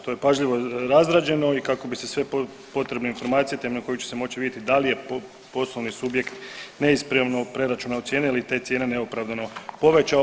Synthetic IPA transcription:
t̪o̞jepaʒʎiʋo̞ɾazɾaːd͡ʑe̞no̞ikako̞bisesʋe̞ | po̞t̪ɾebnoinfo̞ɾmaːt̪sijet̪emenoko̞jut͡ɕese̞mo̞t͡ɕiʋid̪ʲjet̪id̪alije̞p | po̞slˠoʋnisubje̞kt̪ne̞ispɾaʋnopɾe̞ɾat͡ʃunaot̪sjeːneilit̪e̞t̪sjenene̞opɾaʋd̪ano̞po̞ʋet͡ʃa

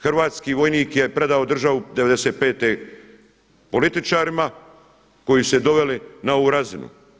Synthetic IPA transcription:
xrʋaːt̪skiːʋo̞jniːkje̞pɾe̞d̪aod̪r̩ʒaʋud̪eʋe̞d̪eset̪̚pe̞ːt̪e | polit̪it͡ʃaːɾima | ko̞jised̪o̞ʋe̞linaoʋuːɾazinṵ

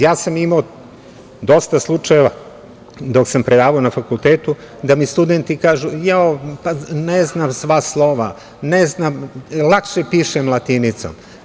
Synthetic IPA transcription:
jaːsamimao | d̪o̞st̪aslˠut͡ʃajeʋa | d̪o̞ksampɾed̪aːʋaonafakulˠt̪eːt̪u | d̪amist̪ud̪ent̪ikaːʒujaopaneznamsʋaslˠo̞ʋa | neznamlˠakʃepiːʃemlˠat̪init̪so̰m

